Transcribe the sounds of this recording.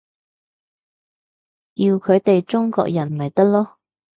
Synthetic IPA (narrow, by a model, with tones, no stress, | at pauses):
ji˧wkʰɵ˨˧˥ɥt̪e˨jt͡ʃʊ˥ŋkɔ̰ː˧k̚jɐ˨˩nmɐ˨˩jt̪ɐ˥k̚lɔː˥